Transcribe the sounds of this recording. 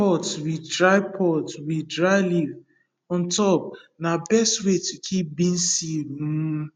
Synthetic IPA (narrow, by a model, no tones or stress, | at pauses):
ɔtwidɹaɪpʰɔtwidɹaɪliv | ɔ̃ntɔp̚nabɛstwetukʰip̚bĩn̩si